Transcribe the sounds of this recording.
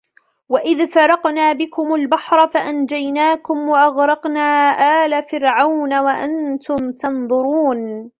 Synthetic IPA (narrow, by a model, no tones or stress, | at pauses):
waʔɪðfɑɾˤɑqnaːbɪkʊmalbɑħɾˤɑfaʔand͡ʒajnaːkʊmwaʔɑɣɾˤɑqnaːʔaːlafɪɾʕawnawaʔant̪ʊmt̪ɑnðˤʊɾuːn